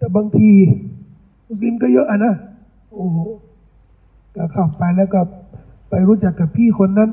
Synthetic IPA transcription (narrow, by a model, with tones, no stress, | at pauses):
t̪ɛː˨˩baː˧ŋt̪ʰiː˧ | ki˧˨nkɔ˥˩jɤ˦˥ʔa˧˩na˦˥ | ʔoː˧˩˨ | ka˧˩kʰa˨˩wpa˧jlɛː˦˥˩wkɔ˧˩ | pa˧jɾuː˦˥t͡ɕa˨˩kːa˧˩pʰiː˥˩kʰo˧nːa˧˥˨n